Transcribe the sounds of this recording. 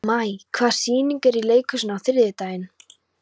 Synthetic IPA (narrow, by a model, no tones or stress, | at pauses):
majkʰvḁːsiːniŋkɛɾileːjkʏsnawθɪɾðɪt̪aːjɪn